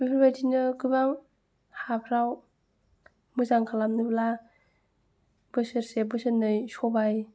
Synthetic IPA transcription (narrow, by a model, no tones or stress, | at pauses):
bipʰibajtinɯɡɯbaŋ | hapʰɾaw | mɯzaŋkʰalamnɯbla | b̥ɯsɯɾsebɯsɯnːɯjsɔbaj